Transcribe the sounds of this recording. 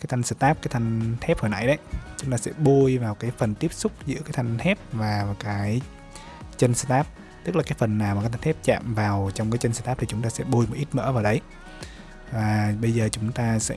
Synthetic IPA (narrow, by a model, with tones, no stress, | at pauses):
kaː˨˦jt̪ʰa˧ŋ̟sɨ˧˩t̪aː˦˥p̚kaː˨˦jt̪ʰa˧jŋ̟t̪ʰɛ˦˥p̚hoː˨˩jna̰˧˥jɗə˨˦jt͡ɕʊ˨˦ŋ͡mt̪aː˧sɛ̰˧˥ɓu˧əjvaː˨˩wkaː˨˦jfə˨˩nt̪i˦˥əp̚sʊ˦˥k͡p̚zɨ̰˧˥kaː˨˦jt̪ʰa˧jŋ̟t̪ʰɛ˦˥p̚vaː˨˩kaː˨˦j | t͡ɕə˧nsɨ̥˧t̪aː˦˥p̚ | t̪ɨ˦˥k̚laː˨˩kaː˨˦jfə˨˩nːaː˨˩wa˨˩aː˨˦t̪ʰa˧ŋnʰɛ˦˥p̚t͡ɕa̰ː˧˨mvaː˨˩wt͡ɕwŋ͡mkaː˨˦jt͡ɕə˧nsɨ̥˧t̪aː˦˥p̚t̪i˨˩t͡ɕʊ˨˦ŋ͡mt̪aː˧sɛ̰˧˥ɓu˧əjmo˨˩t̚i˦˥t̚mə̰ː˧˥vaː˨˩wɗə˨˦j | vaː˨˩ɓə˧jzəː˨˩t͡ɕʊ˨˦ŋ͡mt̪aː˧sɛ̰˧˥